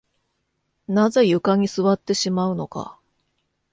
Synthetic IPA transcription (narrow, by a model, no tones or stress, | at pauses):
naze̞jɯ̟kaɲ̟isɨβat̪ːe̞ɕimaɯ̟no̞ka̰